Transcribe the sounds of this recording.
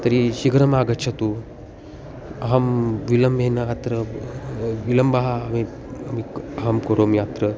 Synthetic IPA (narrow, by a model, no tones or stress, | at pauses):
t̪ɐɾiɕiɡɾɐmaːɡɐt͡ʃʰɐt̪u | ɐɦɐmʋilɐmbʱenɐjat̪ɾɐ | ʋilɐmbɐɦami | ɐmiɐɦɐmkoɾomjat̪ɾə